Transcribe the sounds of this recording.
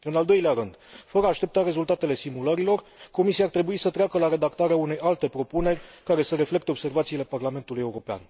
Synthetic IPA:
ɨnald̪o̞jleaɾɨnd̪̥fəɾəːʃt̪e̞p̚t̪aɾe̞zult̪at̪e̞le̞simuləɾilo̞rko̞misiart̪ɾe̞buisət̪ɾeakəlaɾe̞d̪akt̪aɾeaune̞jʔalt̪e̞pɾo̞pune̞rʲkaɾe̞səɾe̞fle̞kt̪e̞o̞b̥se̞rvat̪siːle̞parlame̞nt̪uluje̞uɾo̞pea̰n

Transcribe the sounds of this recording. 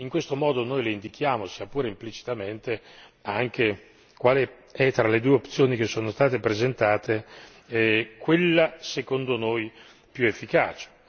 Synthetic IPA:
iŋkwest̪omɔːd̪onojleind̪ik̟ʰjaːmosiapuːɾeimplit͡ʃi̥t̪ament̪eaŋk̟e | kwaːle | ɛt̪ːɾaled̪uːeopt̪sːjoːnik̟esːoːnost̪aːt̪epɾezent̪aːt̪e | kwelːasekond̪onoj | pjuefːikaːt͡ʃe̥

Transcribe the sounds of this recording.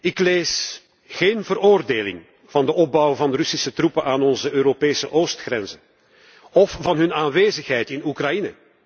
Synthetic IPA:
ɪkleːs | xeːnvəroːrdeːlɪ̰ŋ | v̥ɑndəɔb̚bɑwvɑndərʏsisətrupənʔaːnɔnzəøːɾopeːsəʔoːstxrɛnzə | ɔfvɑnɦɵnaːnʋeːzəxɦɛjtɪnukrɑjinə̰

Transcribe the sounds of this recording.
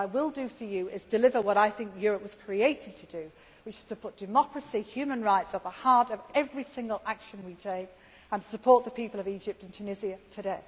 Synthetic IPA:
aɪwɪlˠdɨfə˞jɨɪzdɨlɪvə˞wʌɾaɪθɪ̃ŋkjɔɹəp̚wʌz̥kʰɹ̥ieɪtɪd̚tʰɨdɨ | wɨt͡ʃɨ̥z̥tʰəpʰʊt̚d̥ɨmɒkɹəsihjʉmə̃nɹaɪtsət̪̚ðəhɑɹɾəvɛvɹisɪ̃ŋɡəlˠʔakʃə̃nwitʰeɪk | ə̃nə̥səpʰɔɹt̪̚ðəpʰiˑpəlˠʌvid͡ʒɪp̚tɨ̃n̩tʰʉnɪziɨtʰɨdeɪ

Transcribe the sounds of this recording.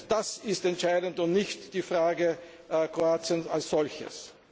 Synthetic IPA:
d̥asɪstɛntʃaɪdəntʊntnɪçtd̥iːfʁaːɡə | kʁ̥oaːt͡siənsalsz̥ɔlçə̰s

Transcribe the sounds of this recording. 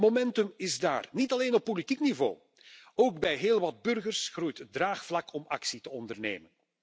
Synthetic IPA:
momɛntɵmɪzda̰ːrnitɑleːnɔpːolitiknivo̰ː | oːɡ̚bɛjɦeːlˠʋɑd̚bɵrɣərsxrujtət̚draːxflɑkʰɔmɑksitəɔndərnḛːmən

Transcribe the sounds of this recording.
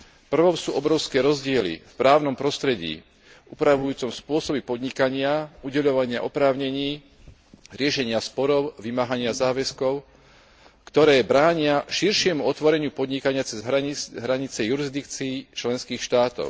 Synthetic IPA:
fpr̩ʋɔmsuːʔɔbɾɔʊskɛːɾɔzɟɪɛlḭfpɾaːʊnɔmpɾɔst̪ɾɛɟḭː | upɾaʋujuːt͡sɔmspʊɔsɔbipɔd̪ɲikaɲɪauɟɛʎɔʋaɲɪaʔɔpɾaːʊɲɛɲiː | ɾɪɛʃɛɲɪaspɔɾɔʊʋimaɦaɲɪazaːʋɛskɔʊ | kt̪ɔɾɛːbɾaːɲɪaʃiɾʃɪɛmuɔt̪ʋɔɾɛɲɪupɔd̪ɲikaɲɪat͡sɛzɦɦɾaɲit͡sɛjuɾizd̪ikt͡siːt͡ʃlɛnskiːxʃt̪aːt̪ɔ̰ʊ

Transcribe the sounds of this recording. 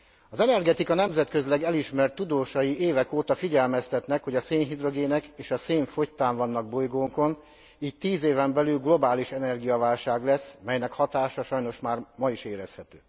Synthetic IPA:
ɒzɛnɛrɡɛt̪ikɒnɛmzɛt̪kø̞zlɛɡɛliʃmɛrt̪ːud̪oːʃɒjiʔeːvɛkoːt̪ɒfiɟɛlmɛst̪ɛt̪nɛkho̞ɟɒseːnɦid̪ro̞ɡeːnɛkeːʃɒseːɱfo̞ct̪ːaːɱvɒnːɒɡ̚bo̞jɡoːŋko̞n | iːc̚t̪iːzeːvɛmbɛlylɡlo̞baːliʃɛnɛrɡijɒvaːlʃaːɡlɛsːmɛjnɛkhɒt̪aːʃɒʃɒjn̪o̞ʃmaːrmɒiʃeːɾɛshɛt̪øː

